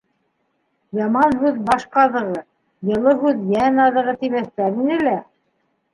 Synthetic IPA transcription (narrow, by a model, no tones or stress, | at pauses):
jɑmɑnɦʉðbɑʃqɑðɤ̆ʁɤ | jɤ̆lˠɤɦʉðjænɑðɤ̆ʁɤt̪imæθt̪æɾinɘ̆læ